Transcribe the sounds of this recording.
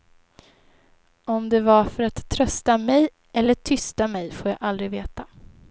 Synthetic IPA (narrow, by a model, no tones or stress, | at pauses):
ɔmd̪ɛvaɾfœɾat̪ʰːɾœst̪amɛj | ʔɛlːəʈʰʏst̪amɛjfoːɾja̰ːɡʔald̪ɾɪveːt̪a